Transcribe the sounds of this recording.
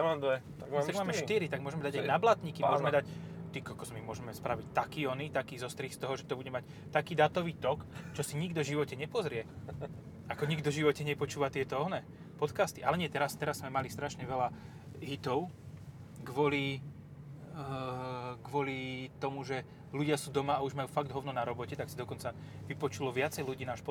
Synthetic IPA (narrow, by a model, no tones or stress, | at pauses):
aad̪ɛt̪aɡ̪aɡmaːmɛʃt̪iɾit̪aɡmʊɔʒɛmɛd̪aɟajnablat̪ɲiːkimɔʒɛmɛd̪act̪ikakɔzmimʊɔʒɛmɛspɾaʋic̚t̪akiɔnit̪akiːzɔst̪ɾixst̪ɔɦɔʒɛt̪ɔbuɟɛmac | t̪akiːd̪aːt̪ɔʋiːt̪ɔkt͡ʃɔsiɲiɡd̪ɔʒiʋɔcɛɲɛpɔzɾɪɛ | akɔɲiɡd̪ɔʒiʋɔcɛɲɛpɔt͡ʃuːʋat̪ɪɛt̪ɔɔɦnɛ | pɔt̪kast̪iʔalɛɲɪɛt̪ɛɾast̪ɛɾazːmɛmalist̪ɾaʃɲɛʋɛla | ɦit̪ɔʊ | ɡʋʊɔli | ɡʋʊɔlit̪ɔmuʒɛ | luɟɪasuːd̪ɔmaauʒmajuːfaɡ̚d̪ɦɔʊnɔnaɾɔbɔcɛt̪aksid̪ɔkɔnt͡sa | ʋipɔt͡ʃulɔʋɪat͡sɛjluɟiːnaːʃpɔ